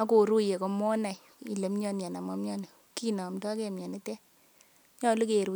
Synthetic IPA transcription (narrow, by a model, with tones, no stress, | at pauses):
a˦ko˨ɾu˦je˨ko˨mɔ˦na˨j | ḭ˨le˨mɲɔ˦n˨a˨na˨mɔ˦mɲɔ˦ni˨ | ki˦nɔ˨mdɔ˦ke˦˨mɲɔ˨ni˦tɛ˦ | ɲɔ˦lu˦ke˨ɾu˨˦